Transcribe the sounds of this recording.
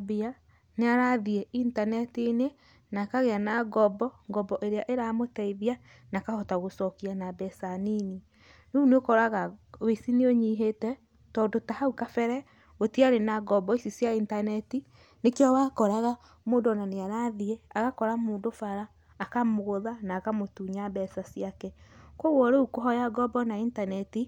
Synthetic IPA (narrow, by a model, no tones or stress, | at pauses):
bia | neaɾaðieintanɛtine | nakaɣeanaɡɔbɔŋɡɔbɔʔeɾeaʔeɾamotɛiðia | nakahɔtaɣosɔkianabɛsanini | nouneokɔɾaɣawesineoɲiɦetɛ | tɔːndotahaukafɛɾɛ | otiaɾenaɡɔbɔisisjaintanɛti | nekjɔwakɔɾaɣa | moːndɔnaneaɾaðieaɣakɔɾamoːndofaɾaː | kamoɣoðanaːkamotuɲabɛsasjakɛkoɣwɔɾeukoɦɔjaɡɔbɔnaintanɛti